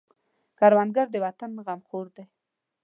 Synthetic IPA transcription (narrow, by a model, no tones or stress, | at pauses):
kaɾwand̪ɡaɾd̪əwat̪anɣamχoɾd̪e